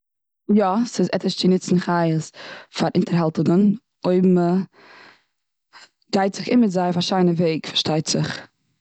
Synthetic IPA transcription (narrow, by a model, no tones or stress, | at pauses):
jɔsɪzɛ̰təʃt͡sɪnɪt͡sn̩χaɪəsfaɾʔɪntəɾɦalˠtɪŋən | oɪbm̩ə | ɡaɪtz̥ɪχɪmɪtzaɪfaʃaɪnəveɪkfaɾʃtaɪtz̥ɪχ